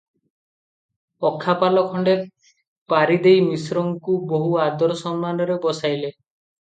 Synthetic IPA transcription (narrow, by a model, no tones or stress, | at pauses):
ɔkʰːapalɔkʰɔɳɖe | paɾid̪ejmisɾɔŋkuboɦuad̪ɔɾɔsɔmːanɔɾebɔsajle